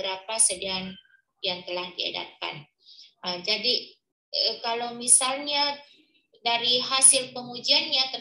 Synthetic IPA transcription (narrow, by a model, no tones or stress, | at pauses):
əɾapasədian | jaŋt̪əlahdia̰da̰t̪̚ka̰n | əd͡ʒadi | əkalowmisalɲa | daɾiɦasɪlpəŋud͡ʒianɲat̪ə